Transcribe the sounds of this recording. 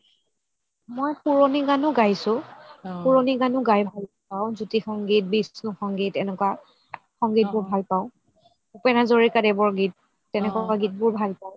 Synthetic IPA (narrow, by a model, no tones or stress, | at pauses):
mojpuɹoniɡanʊɡajsʊpuɹoniɡanʊɡajbʱal | paʊ̃zutixɔŋɡit̚bisnʊxɔŋɡitɛnɛkwa | xɔŋɡit̚bʊɹbʱalpaʊ̃ | upɛnazoɹikadɛbɔɹɡit̚ː | ɛnɛkakaɡit̚bʊɹbʱalpaʊ̃